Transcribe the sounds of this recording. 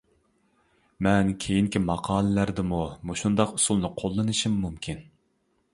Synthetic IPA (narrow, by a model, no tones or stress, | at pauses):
mɛnkʲʰejiŋkʲimɑqʰɑːlˠɨlæɾd̪ɪmumuʃund̪ɑqusulˠnɨqʰolˠːɨnɨʃimːumkʲʰin